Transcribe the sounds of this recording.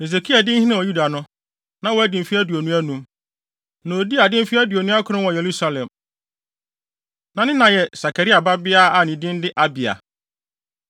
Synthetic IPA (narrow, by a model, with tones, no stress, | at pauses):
e˨s̬e˨kʰi˦a˨dɪ̃˦n̩˦hĩ˦nã˦˨wɔ˨ju˦da˨nʊ̃˦ | nã˨wɔ˨˦æ˦dɪ̃˨m˨fi˦æ˦du˨o˨nũ˦æ˦nũ˦m | nã˨o˨di˦a˨dɪ̃˦m̩˦fi˦æ˦du˨o˨nũ˦a˦kʰʊ˨ɾɪ̃˦wɔ̃˨je˨ɾu˦sa˦lɛ̃˨m | nã˨nɪ̃˦nã˨jɛ˨sa˨kʰa˨ɾi˦a˨ba˦bɪ˦a˦a˨nɪ̃˨dɪ̃˦n˦dɪ˦ʔa˦bi˨a̰˨